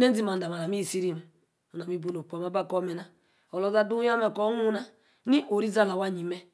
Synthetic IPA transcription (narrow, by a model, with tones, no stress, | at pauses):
ne˦zi˦ma˨n˨da˨ma˨na˨mi˦˨si˦ɾi˦me˨ | o˨na˨mi˦bu˦no˨k͡po˨ma˦ba˦ko˦me˨na˨ | o˨lo˦za˦du˦a˦me˨ko˦nu˦na˦ | ni˦ʔo˨ɾi˦za˦la˨wa˦˨ɲi˨me˦